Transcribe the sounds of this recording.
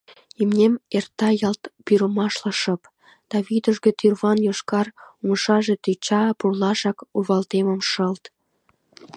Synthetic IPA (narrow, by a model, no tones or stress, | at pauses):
imnʲemert̪ːɑjɑlt̪pyɾəmɑʃləʃəp | d̪̥ɑβid̪əʒɣĕt̪yrβɑnjoʃkɑrumʃɑʒet̪yt͡ɕɑpurlɑʃɑkuβɑlt̪eməmʃəlt̪